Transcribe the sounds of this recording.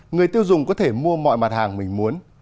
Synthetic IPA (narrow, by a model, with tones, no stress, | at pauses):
ŋɨ˨˩əjt̪i˧əwzʊ˨˩ŋ͡mkɔ˨˦t̪ʰe˧˩mu˧əmɔ̰˧˨jma˨˩t̚haː˨˩ŋm˨˩ŋ̟mu˨˦ən